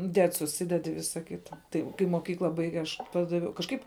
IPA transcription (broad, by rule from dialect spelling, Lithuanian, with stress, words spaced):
ˈdʲɛt sʊˈsʲɪdʲɛt ɪ ˈʋʲɪsɐ ˈkʲɪtɐ ˈtɐɪ kɐɪ moːˈkʲiːklˠɐ ˈbɐɪɡʲɛ ɐʃ ˈpɑːdɐʋʲɛʊ kɐʃˈkɐɪp